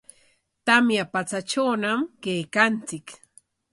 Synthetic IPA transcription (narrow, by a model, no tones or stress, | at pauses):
t̪amjapat͡sat͡ʃawnamkejkant͡sɪk